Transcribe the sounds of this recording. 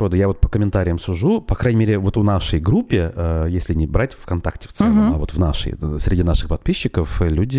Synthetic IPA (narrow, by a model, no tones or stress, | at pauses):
ɾod̪əjavo̞t̪̚pə̥kəmʲɪnt̪aɾʲɪjəmsʊʐupɐkɾajnʲɪmʲeɾʲɪvo̞t̪ʊnaʂəjɡɾupʲːɪəjesʲlʲɪnʲɪbɾatʲfkɐnt̪aktʲɪ̥ft̪sɛləmavo̞̰t̪vna̰ʂə̰jsʲɾʲɪdʲinaʂɨxpɐt̪̚pʲiɕːɪkəflʲudʲɪ